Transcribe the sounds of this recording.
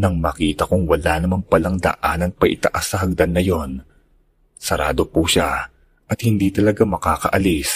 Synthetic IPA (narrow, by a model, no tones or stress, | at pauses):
nɐŋmɐkiːt̪ɐkʊŋwɐlanɐmaŋpɐlɐŋd̪ɐ̰ʔaːnɐŋpɐʔɪt̪ɐ̰ʔasːɐɦɐɡ̚d̪ɐnːɐjo̞n | sɐɾaːd̪o̞puʃa | ʔɐt̪hɪnd̪iːt̪ɐlɐɡamɐkaːkɐʔɐlis